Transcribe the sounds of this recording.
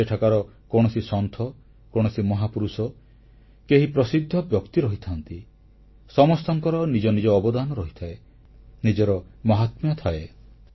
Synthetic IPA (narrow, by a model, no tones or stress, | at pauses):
eʈʰakaɾɔ | koɽ̃ɔsisɔnt̪ʰɔ | koɽ̃ɔsimɔɦapuɾusɔ | keɦipɾɔsid̪ʱːɔbjɔkt̪iɾɔɦit̪ʰant̪i | sɔmɔst̪ɔŋkɔɾɔnid͡ʒɔnid͡ʒɔːbɔd̪anɔɾɔɦit̪ʰae | nid͡ʒɔɾɔmɔɦat̪mjɔt̪ʰae